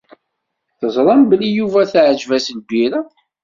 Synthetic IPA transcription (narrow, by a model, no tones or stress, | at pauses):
θəzˤɾˤɑmbəlːijuvæθʕəʒvæslbiɾæ